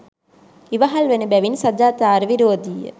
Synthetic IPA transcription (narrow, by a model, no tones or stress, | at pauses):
iʋaɦalʋenəbæʋinsad͡ʒaːt̪aːɾʋiɾoːd̪ijə̰